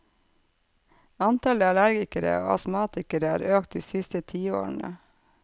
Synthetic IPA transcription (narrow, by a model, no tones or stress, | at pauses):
ɑnt̪ɑləɑlæɾɡɪkəɾə̰oːɑ̰smɑːt̪ɪkəɾəæ̰ːɾøːkt̪̚d̪iːsɪst̪ət̪ʰiːo̰ːɾɳ̩ə̰